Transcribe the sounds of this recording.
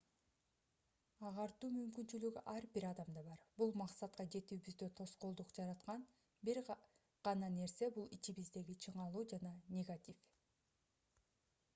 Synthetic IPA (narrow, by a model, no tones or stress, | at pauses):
ɑʁɑɾt̪uːmymkynt͡ʃylyɡyʔɑɾbiɾɑd̪ɑmd̪ɑbɑɾbulˠmɑqsɑt̪qɑd͡ʒe̞t̪yːbyzd̪øt̪ʰo̞sqo̞lˠd̪uqd͡ʒɑɾɑt̪qɑn | biɾ | ʁ̥ɑnɑne̞ɾse̞bulˠit͡ʃiβizd̪e̞ɡit͡ʃʰɯɴɑlˠuːd͡ʒɑnɑnʲeɡat̪ʲif